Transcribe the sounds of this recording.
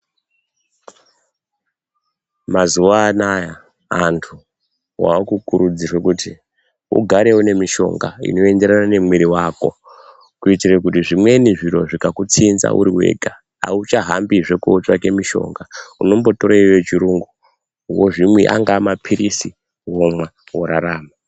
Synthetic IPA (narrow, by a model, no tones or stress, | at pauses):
mazuʋaːnaja | antʰu | wa̰ukukuɾud͡zirwekuti | ṵɡʱaɾe̞wune̞miʃo̞̰ŋɡa̰ḭno̞e̞nde̞ɾanane̞mwiɾiwako̰ | kuitirekutiʐimwe̞niʐiɾo̞ʐikakut͡sinza̰ʔṵɾiwe̞̰ːɡʱa | a̰ut͡ʃaɦambiʐe̞kuːt͡ʃake̞miʃo̞̰ŋɡauno̞mbo̞to̞ɾeiwet͡ʃiɾuŋɡu | woʐimweʔa̰ŋɡaːmapʰiɾisi | womwa | woɾaɾaːma